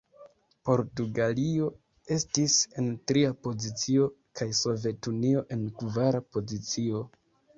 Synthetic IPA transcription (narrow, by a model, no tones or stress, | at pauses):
po̞ɾtuɡalio̞ | e̞stise̞ntɾiapo̞zit͡sio̞ | kajso̞ve̞tunio̞ʔe̞nkvaɾapo̞zit͡sio̞